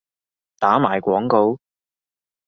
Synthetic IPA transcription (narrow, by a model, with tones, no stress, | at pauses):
t̪aː˨˥maː˨˩jkʷɔː˨˥ŋko˨˧w